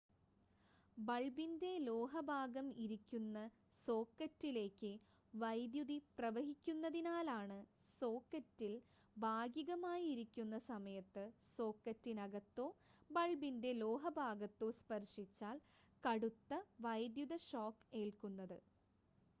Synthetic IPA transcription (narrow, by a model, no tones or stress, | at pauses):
bɐɭbinde̞lo̞ːɦɐbʱaːɡɐmiɾikʲːunːɐ | so̞ːkːɐtːile̞ːkːɨ | ʋɐjd̪juðiprɐʋɐɦikʲːunːɐðinaːlaːɳɨ | so̞ːkːɐtːil | bʱaːɡjiɣɐmaːjiɾikʲːunːɐsɐmɐjɐt̪ːɨso̞ːkːɐtːinɐɡɐt̪ːo̞ːbɐɭbinde̞lo̞ːɦɐbʱaːɡɐt̪ːo̞ːspɐrʂit͡ɕːaːl | kɐɽut̪ːɐʋɐjd̪juðɐɕoːkːeːɭkunːɐðɨ